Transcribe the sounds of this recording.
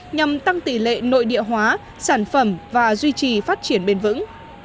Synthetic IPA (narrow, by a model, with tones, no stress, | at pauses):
ɲa˨˩mt̪a˧ŋt̪i˧˩lḛ˧˨no̰˧˨jɗḭ˧˨əɦwaː˨˦ | saː˧˩nfə˧˩mvaː˨˩zwi˧t͡ɕi˨˩faː˦˥t̚t͡ɕi˧˩ənɓe˧nvɨ̰˧˥ŋ